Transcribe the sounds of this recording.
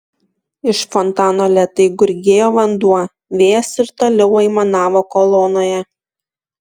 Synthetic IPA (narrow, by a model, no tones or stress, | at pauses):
ɪʃfɔnt̪ɑːnoːlʲɛt̪ɐɪɡʊɾʲɡʲeːjoːʋɐnd̪uɔ | ʋʲeːjɛsɪɾt̪oːlʲɛʊɛɪmɐnɑːʋokoːlˠɔːnoːjɛ